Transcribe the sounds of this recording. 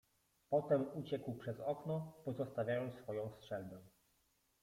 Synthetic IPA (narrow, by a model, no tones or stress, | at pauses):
pɔt̪ɛmut͡ɕɛkwpʂɛzɔknɔpɔzɔst̪avʲjajɔnsfɔjɔ̃w̃stʂɛlbɛ